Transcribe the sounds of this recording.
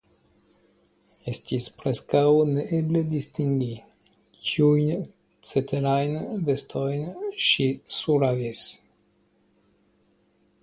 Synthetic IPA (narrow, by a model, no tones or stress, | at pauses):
est̪ispɾeskawneʔebled̪ist̪iŋɡi | kʰiujn | t͡set̪eɾajnvest̪ʰojnʃisuɾavis